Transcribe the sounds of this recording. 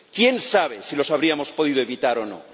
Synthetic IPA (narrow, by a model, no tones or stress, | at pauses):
kje̞nsaβ̞e̞silo̞saβɾiamo̞spo̞ðið̞oeβit̪aɾo̞no̞̰